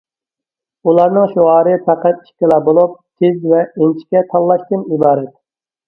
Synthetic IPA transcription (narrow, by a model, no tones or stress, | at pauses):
ulˠɑɾnɨŋʃuʁɑːɾɨpʰæqæt̪i̥ʃkʲɪlɑbolˠup̚t̪ʲʰezvɛent͡ʃʰi̥kʲɛt̪ʰɑlˠːɑʃt̪ɪnibɑːɾɛt̪